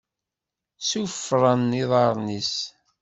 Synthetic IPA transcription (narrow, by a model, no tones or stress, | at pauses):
sufɾˤənːiðˤɑɾˤnis